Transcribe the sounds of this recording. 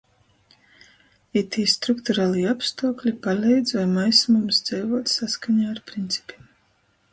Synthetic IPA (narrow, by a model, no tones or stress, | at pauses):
it̪ʰiːst̪ɾukt̪uɾaːlˠiːapst̪uɔklʲipalʲɛjd̪zvajmajsmumsd̪zɛjvuɔt̪saskaɲaːɾpɾint̪sʲi̥pʲiɛm